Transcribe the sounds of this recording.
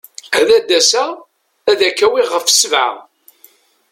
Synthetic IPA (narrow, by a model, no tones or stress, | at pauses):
æðæd̪ːæsæ | æðækːæwiʁəfsəvʕa̰